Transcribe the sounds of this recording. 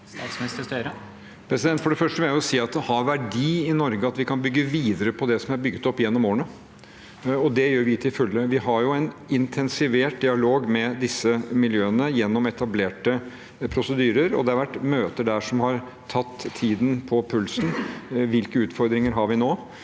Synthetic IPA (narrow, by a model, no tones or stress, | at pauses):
st̪ɑːt̪smnɪst̪əst̪øɾə | pʰɾɛsɪd̪ɛnt̪fɔɖɛfœʂʈəʋɪlæjʊʊsiːɑt̪̚d̪ɛhɑʋæɖiːɪnɔɾɡəɑt̪ʋɪkʰɑnbʏɡːəʋiːd̪əɾəpʰɔd̪ɛsɔmʋæɾbʏɡət̪ɔpːɪjɛnːɔmoːnə | ɔd̪ɛjøːɾʋɪt̪ʰɪlfʉlːəʋɪɦɑɾjʊɛnɪnt̪ʰɛnsɪʋeːʈ̚d̪ɪɑloːɡmɛd̪ɪsːəmɪljøːənəjɛnːɔmɛt̪ɑbleːʈə | pʰɾʊsəd̪yːɾəɾɔ̰d̪ɛɑɾʋæʈːmøːt̪əɖæʂɔmhɑɾ | t̪ʰɑt̪ʰːiːd̪n̩pʰɔpʰʉlsnʋɪlkəʉːt̪fɔɾd̪ɾɪŋəɾɦɑɾʋɪnoː